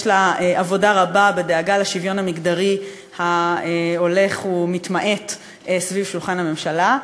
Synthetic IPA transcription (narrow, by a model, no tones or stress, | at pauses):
ʃlaeʔavo̞daʁababe̞deaɡalaʃivjo̞namiɡd̪aʁi | haeo̞le̞χumit̪maʔe̞t | esvivʃulχanhame̞mʃala